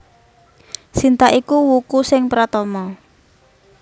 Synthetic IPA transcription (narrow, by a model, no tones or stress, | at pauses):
sint̪aʔikuwukusɪŋpɾat̪ɔmɔ